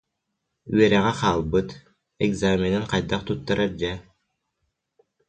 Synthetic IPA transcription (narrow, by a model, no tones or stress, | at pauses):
yɛɾɛʁɛqaːlˠbɯt̪ | ɛɡzaːmɛnɛnqajd̪aqt̪ut̪ːaɾaɾd͡ʑɛ